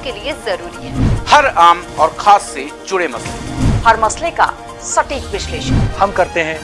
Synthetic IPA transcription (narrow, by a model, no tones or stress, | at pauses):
keliezɐɾuːɾiɦɛːhɐɾaːmɔːɾxʰaːsːed͡ʒʊɽemɐslehɐɾmɐsleka̰ | sɐʈiːkʋɪʃleːʃənhɐmkɐɾt̪eɦɛ̃ː